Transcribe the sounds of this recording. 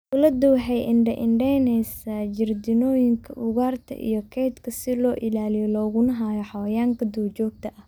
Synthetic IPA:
ʔʊlɐd̪ʊwħɛjʔɪɳɖɐʔɪɳɖɛjnɛjsɐd͡ʒɪrd̪ɪnɔːjɪŋkʰɐʔʊɣaːrt̪ʰɐ̰ʔḭjɔkʰɛjd̪kʰɐsɪlɔːʔɪlaːlɪjɔlɔːɣʊnɐɦaːjɔħɑwɐjaːŋkʰɐd̪uwt͡ʃɔːɡ̚t̪ʰɐʔɐh

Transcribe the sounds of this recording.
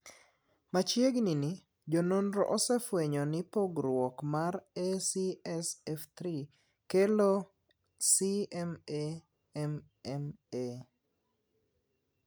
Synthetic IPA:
mat͡ʃjeɡnini | d͡ʒononɾɔ̰ʔosɛfweɲɔnɪpoɡɾwɔkmaɾɛsiɛsɛft̪ɾi | kelo | siɛme | ɛm | ɛme

